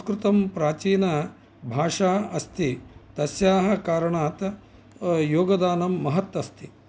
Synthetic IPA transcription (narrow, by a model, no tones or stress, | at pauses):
kɾɪt̪ɐmpɾaːt͡ʃiːnɐ | bʱaːʂaːɐst̪ʰit̪ɐsjaːɦɐ̆kaːɾɐɳaːt̪ | joːɡɐd̪aːnɐmːɐɦɐt̪ʋɐst̪ʰi